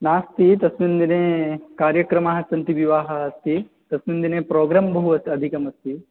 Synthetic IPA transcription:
naːst̪it̪ɐsmind̪ineːkaːɾjɐkɾɐmaːɦɐsɐnt̪iʋiʋaːɦɐɐst̪ʰi | t̪ɐsmind̪ineːpɾoːɡɾaːmbɐɦuɐst̪ɐd̪ʱikɐmɐst̪i

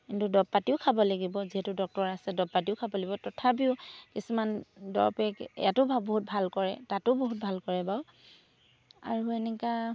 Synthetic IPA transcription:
kintudɔb̚pːatiʊkʰabɔlaɡibɔziɦɛtʊdɔk̚tɔɹasɛdɔb̚patiʊkʰabɔlaɡibɔtɔtʰap̬iʊkisumandɔ̰ɹpɛkjatʊbʱaboɦut̚bʱalkɔɹɛ̰tatʊboɦut̚bʱalkɔɹɛbaw | a̰ɹuɛnɛka

